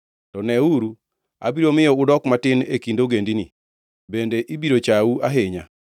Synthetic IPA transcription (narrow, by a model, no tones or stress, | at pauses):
tɔnɛuɾu | a̰biɾomɪjɔʊdɔkmatɪnekindoɡendinɪ | bendeʔibiɾot͡ʃauaɦeɲa